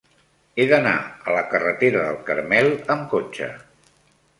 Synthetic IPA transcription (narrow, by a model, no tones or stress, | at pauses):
eðəna̰ələkərət̪eɾəðəlˠkəɾmɛləmkot͡ʃə̰